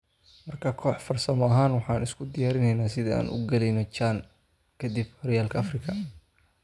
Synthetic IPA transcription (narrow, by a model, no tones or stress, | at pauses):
mɐrkʰakʰɔːħfɐrsɐmɔɐɦaːnwɑħɑːnɪskʰʊd̪ɪjaːɾɪnɛjnaːsɪðɐa̰ːnʔʊ̰ɡɐlɛjnɔt͡ʃaːn | kʰɐd̪ibhɔɾɪjaːlkʰɐɐfrɪkʰɐ